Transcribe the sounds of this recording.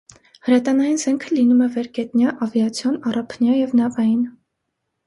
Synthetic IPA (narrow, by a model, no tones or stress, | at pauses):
həɾɛt̪ɑnɑjinzɛŋkʰəlinumɛvɛɾkɛt̪njɑʔɑvjɑt͡sʰjɔnɑrɑpʰnjɑjɛvnɑvɑjin